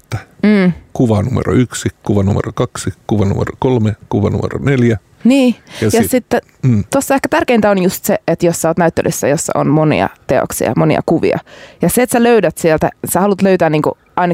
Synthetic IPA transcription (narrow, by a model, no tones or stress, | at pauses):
t̪ːæ̥m̩ːkuʋɑnumḛro̰yksikuʋɑnumḛrokɑksikuʋɑnumḛrokolmekuʋɑ̰nṵmḛro̰neljæ | niːjɑsjɑsit̪ːe | t̪osːɑehkæt̪ærkeint̪æonjust̪seet̪jossɑoːt̪næyt̪ːelʔy̰sːæ̰josːɑ̰ʔo̰nmonḭɑ̰t̪eo̰ksḭɑ̰monḭɑ̰kuʋḭɑ̰jɑseet̪sæløydæt̪sielt̪æ̰sæhɑlut̪løyt̪æːniːŋkṵ | ʔɑinɑ